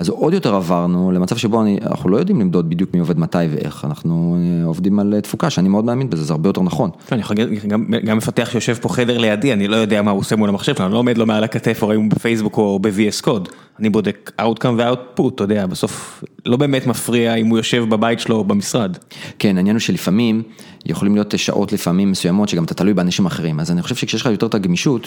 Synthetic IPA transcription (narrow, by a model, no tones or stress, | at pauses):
azo̞djo̞teʁavaʁnulemat͡savʃebo̞ania̰na̰χnulo̞jo̞d̪imlimd̪od̪̚bid̪jukmio̞ve̞dmatajvḛʔḛχa̰naχnueovd̪imalt̪fukaʃeanimeo̞d̪meaminbezezehaʁbejote̞ʁnaχo̞n | oaniχalɡɡamɡamːefat̪eaχʃejo̞ʃevpo̞χedeʁlejadianilo̞jo̞d̪eamausemulamaχʃevklanlo̞ːomedlo̞mealakat̪efoʁaimubefejsbukobevieskod | anibo̞deka̰wt̚kamveawt̚put̪ːod̪eabeso̞flo̞be̞ːmetmafʁiaimujoʃe̞vbabaitʃelo̞bemisʁadke̞nainjanuʃelifamim | jʔeχo̞limlijo̞tʃa̰ʔo̞tlifamimːesujamo̞tʃeɡamatat̪alujbeaːnaʃimaχeʁimazaniχo̞ʃevʃekʃejeʃlχajotetaɡmiʃut